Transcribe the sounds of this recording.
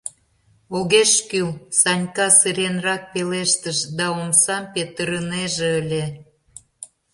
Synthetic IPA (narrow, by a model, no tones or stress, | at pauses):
oɣeʃkylsɑnʲkɑsɨɾʲenrɑk̚peleʃt̪əʃd̪ɑomsɑmpet̪əɾəneʒeəlʲe